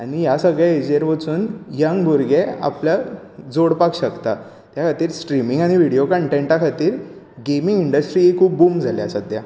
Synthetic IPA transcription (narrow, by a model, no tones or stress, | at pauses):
aɽ̃ijasəɡɭjaed͡ʑeɾʋət͡suːnjəŋɡbuɾɡea̰plja | d͡zoɽpakɕəkt̪a | t̪jakʰat̪iːɾsʈɾimiŋɡaɽ̃iʋiɽijokəɳʈeɳʈakʰat̪iːɾ | ɡemiŋɡiɳɖəsʈɾiːekʰuːp̚buːmd͡zʱaljasəd̪ja